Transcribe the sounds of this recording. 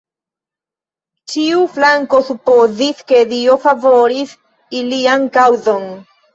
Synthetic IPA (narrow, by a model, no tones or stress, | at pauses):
t͡ʃiuflaŋko̞supo̞ziske̞diofavo̞ɾis | iliankawzo̞n